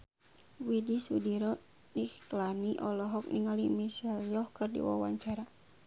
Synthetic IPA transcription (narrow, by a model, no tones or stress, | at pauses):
widisudiɾɔ | niklaniʔɔlɔɦɔk̚niŋalimisɛljɔhkɨrdḭwa̰wa̰ɲt͡ʃaɾa